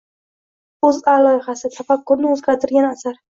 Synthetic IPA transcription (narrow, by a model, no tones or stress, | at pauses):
ɵzalɒjɪχasɪsʰafakʰːɒɾnɪɵzɡʲaɾt̪ʰɪɾɡʲanasaɾ